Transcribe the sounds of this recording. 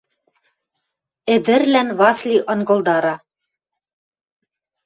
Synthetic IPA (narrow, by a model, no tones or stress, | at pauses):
ɘ̆d̪ɘ̆rlænβɑslʲiʔɤ̆nɡɤ̆ld̪ɑɾɑ